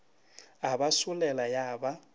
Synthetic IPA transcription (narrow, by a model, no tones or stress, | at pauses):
aɓasulɛlajaːɓa